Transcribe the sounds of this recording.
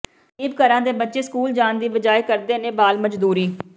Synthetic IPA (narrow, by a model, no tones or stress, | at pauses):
iːbkəɾãːd̪eːbətːʃeːskuːld͡ʒaːnd̪iːbəd͡ʒaːekəɾd̪eːnẽːbaːlməd͡ʒd̪uːɾiː